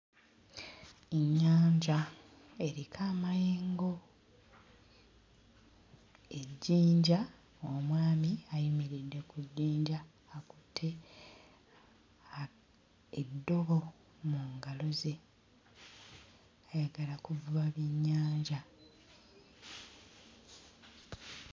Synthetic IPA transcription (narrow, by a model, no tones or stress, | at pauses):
eɲːaːɲɟa | e̞ɾikʰaːmajeːŋɡo̞ | e̞ɟːiːɲɟa | omwaːmiajimiɾidːe̞kuɟːiːɲɟaː | kutʰːe | dːo̞βo̞ | muŋɡalo̞ze̞ | ajaɡalakuvuaβiɲːaːɲɟa